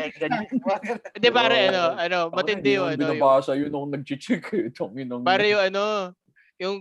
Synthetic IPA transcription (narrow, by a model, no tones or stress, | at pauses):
ɡɐn | ɛd̪ɛpaːɾɐʔɐno̞ʔɐno̞mɐt̪ɪd̪ɪjʊɐnbɪoajbaːsɐjʊnoŋnɐɡ̚t͡ʃɪt͡ʃɪkʰɪt̪oŋjʊnɐŋpaːɾɐjʊŋɐno̞ | jʊŋ